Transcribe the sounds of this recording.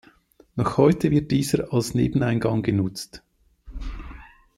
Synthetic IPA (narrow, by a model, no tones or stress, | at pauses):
nɔχhɔʏtʰəvɪɐt̚d̥iːzəɾɑlsnḛːbn̩aɪnɡɑŋɡənʊt͡st